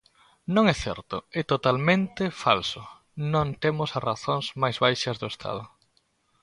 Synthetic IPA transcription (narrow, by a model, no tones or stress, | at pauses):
nõŋɛθɛ̰ɾt̪ʊɛt̪ot̪almẽnt̪efalsʊ | nõnt̪emʊsɐraθõŋzmajzβajʃɐzðʊest̪ʰa̰ð̞ʊ